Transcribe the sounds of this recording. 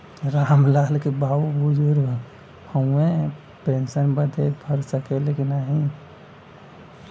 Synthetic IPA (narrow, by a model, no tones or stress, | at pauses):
ɾaːmlaːlkebaːubud͡ʒuɾ | həẽ | pensənbəd̪ʱebʰʱəɾsəkelekinaɦĩ